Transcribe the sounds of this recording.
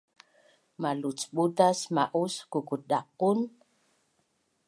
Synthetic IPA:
malut͡sɓutasmaʔuskukuɗaqːun

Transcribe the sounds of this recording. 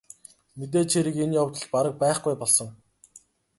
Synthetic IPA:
met̪̬eːt͡ɕʰeɾɘ̆kenjawt̪ə̆ɮpaɾə̆k̚pæːχɡujpɔɮsɞ̆ŋ

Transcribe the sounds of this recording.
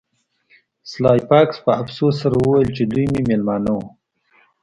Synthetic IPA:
slɑjpɑkspəafsosaɾawəwajəlt͡ʃed̪ujmemelmɑno

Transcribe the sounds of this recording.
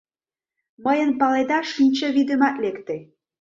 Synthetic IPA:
məjə̆npɑled̪ɑʃinʲt͡ɕə̆βid̪emɑt̪lekt̪e

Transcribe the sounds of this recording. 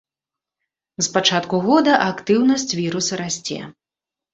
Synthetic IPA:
spat͡ʂat̪kuɣɔd̪ɐʔakt̪ɨwnɐsʲt͡sʲvʲiɾusɐɾasʲt͡sʲɛ̰

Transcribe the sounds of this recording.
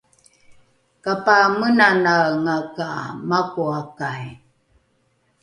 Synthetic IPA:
kapamənanaŋaka̰makuakaj

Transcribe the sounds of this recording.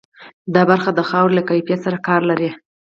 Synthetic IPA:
d̪ɑbaɾxad̪əxɑwɾlakajfjat̪saɾakɑɾlaɾi

